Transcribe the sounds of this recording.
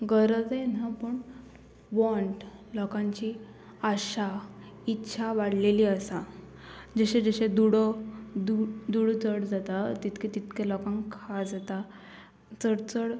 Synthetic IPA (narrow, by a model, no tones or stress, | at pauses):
ɡəɾəd͡zjen̤apəɳ | ʋɔɳʈ | lɔkãɲt͡ɕiː | aɕa | itːɕʰaʋaɽ̤leliːəsa | d͡ʑəɕẽd͡zəɕẽd̪uɽd̪ud̪uɽt͡səɽd͡zat̪at̪it̪kʰet̪it̪kelɔkãŋkʰad͡zat̪a | t͡səɽt͡səɽ